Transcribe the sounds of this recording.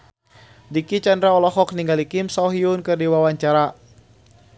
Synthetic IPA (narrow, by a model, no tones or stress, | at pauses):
dikit͡ʃandɾaɔlɔɦɔk̚niŋɡalikimsawɦiunkɨrdiwawaɲt͡ʃaɾa